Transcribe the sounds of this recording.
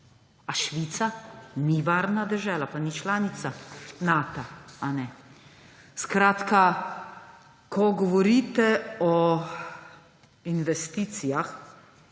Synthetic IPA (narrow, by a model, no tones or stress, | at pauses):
aʃʋit̪saniʋaːɾnad̪ɛʒɛːlapanit͡ʃlaːnit̪sanaːt̪aanɛ | skɾaːt̪ka | kɔɡɔʋɔɾiːt̪ɛɔ | inʋɛst̪iːt̪sijax